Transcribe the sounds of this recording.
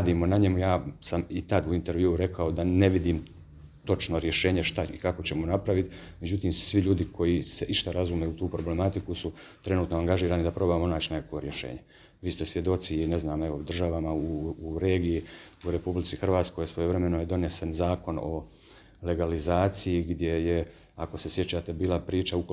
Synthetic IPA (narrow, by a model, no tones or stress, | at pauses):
ad̪iːmo̞naɲe̞mujaːsamit̪ad̪uint̪e̞ɾʋjiuːuɾe̞kao̞d̪ane̞ʋid̪iːm | t̪o̞t͡ʃno̞ɾje̞ʃe̞ːɲe̞ʃt̪aikako̞t͡ɕe̞monapɾaʋit̪me̞d͡ʒut̪iːmsʋiʎuːd̪ikʰo̞jise̞ʔiʃt̪aɾazuːme̞ut̪uːpɾo̞ble̞mat̪ikusut̪ɾe̞nuːt̪noaŋɡaʒiːɾaːnid̪apɾo̞ːbamonaːt͡ɕnekako̞ɾje̞ʃḛːɲe̞ | ʋiːst̪esʋje̞d̪o̞t̪sineznaːmeʋo̞d̪r̩ʒaʋamauːɾe̞ːɡiji | uɾe̞publit̪sixrʋaːt̪sko̞jsʋo̞joʋɾe̞me̞nojed̪o̞ne̞sanzaːko̞no̞̰ | le̞ɡalizaːt̪sijiɡd̪je̞je | akose̞sje̞t͡ɕaːt̪ebiːlapɾiːt͡ʃauko